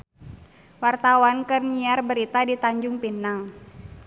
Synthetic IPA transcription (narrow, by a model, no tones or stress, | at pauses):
wart̪awankɨrniarbəɾit̪adit̪aɲd͡ʒʊŋpinaŋ